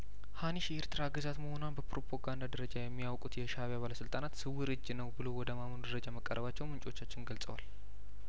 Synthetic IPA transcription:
haniʃjɛeɾt̪ʰɨɾaɡɨzat̪məho̞nwanbəpɾo̞pʰoɡand̪ad̪əɾəd͡ʒajɛmːiawkʼut̪jɛʃaβjaβaləsɨlt̪ʼanat̪sɨwːɨɾɨd͡ʒːnəwbɨlo̞wɔd̪əmamənud̪əɾəd͡ʒaməkʼːə̰ɾʔəβat͡ʃːɛwmɨnt͡ʃʼo̞t͡ʃːat͡ʃːɪnɡəlsʼə̰wa̰l

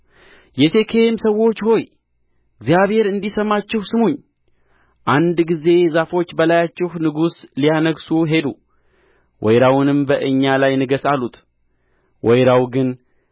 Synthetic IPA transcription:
jɛt̪ʰe̞kʰe̞msəwo̞t͡ʃːho̞j | ɨɡzijaβhe̞ɾɨnd̪isəmːat͡ʃːɪhsɨmuɲː | ʔand̪ɡize̞zafo̞t͡ʃːbəlajat͡ʃːɪhnɨɡuslijanəɡsuɦe̞d̪u | wʔɔjɾawnɨmbəʔɨɲːalajnɨɡəsalut̪ | wʔɔjɾawɡɨn

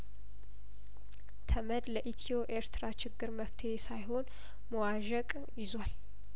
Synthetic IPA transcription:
t̪ʰəməd̪ləʔit̪ʰio̞ʔeɾt̪ʰɨɾat͡ʃɪɡːɨɾməft̪ʰeesajho̞n | məwaʒəkʼ | jɪzwal

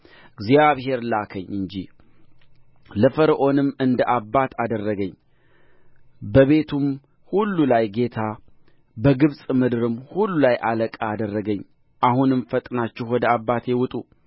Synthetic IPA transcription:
ɨɡzjaβhe̞ɾlakʰəɲːɨnd͡ʒi | ləfəɾʔo̞nɨmːɨnd̪əʔabːat̪ʰad̪ərːəɡəɲː | bəβe̞t̪ʰum | hulːulajɡe̞t̪ʰa | bəɡɨβsʼmɨd̪ɨɾɨmhulːulajʔaləkʼaːd̪ərːəɡəɲː | ʔahunɨmfət̪ʼnat͡ʃːɪhwɔd̪əabːat̪ʰjewʊt̪ʼu

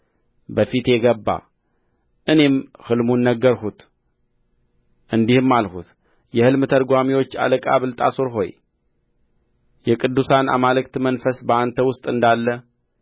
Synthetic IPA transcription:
bəfit̪jɛɡəbːa̰ | ʔɨne̞mhɨlmunːəɡːəɾɦut̪ | ʔɨnd̪ihɨmːalhut̪ | jɛhɨlmɨt̪ʰəɾɡʷamiwo̞t͡ʃːa̰ləkʼaβɨlt̪ʼa̰soɾɦo̞̰j | jɛkʼɨd̪ːusana̰malɨk̚t̪mənfəsbəant̪ʰəwʊst̪ʼɨnd̪alːə

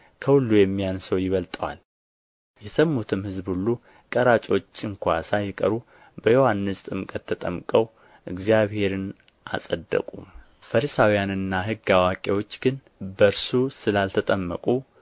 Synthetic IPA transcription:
kʰəhulːujɛmːijansəwjɪβəlt̪ʼəwa̰l | jɛsəmːut̪ʰɨmhɨzbhulːu | kʼəɾat͡ʃʼo̞t͡ʃːɨŋkʰʷa̰sajɛkʼəɾu | bəjo̞hanːɨst̪ʼɨmkʼət̪ʰːət̪ʼəmkʼəw | ʔɨɡzijaβhe̞ɾɨn | ʔa̰sʼəd̪ːə̰kʼṵ | fəɾisawijanɨnːaɦɨɡːawakʼewo̞t͡ʃːɡɨn | bəɾsusɨlalt̪ʰət̪ʼəmːəkʼu

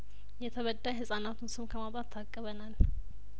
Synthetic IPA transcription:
jɛt̪ʰəβəd̪ːajhɨsʼanat̪ʰunsomkʰəmabʼat̪ʰːakʼːəβənal

